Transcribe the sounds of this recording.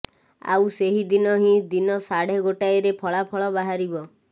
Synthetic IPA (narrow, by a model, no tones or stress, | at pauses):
a̰wseɦid̪inɔɦĩd̪inɔsaɽ̤eɡoʈajɾepʰɔɭapʰɔɭɔbaɦaɾibɔ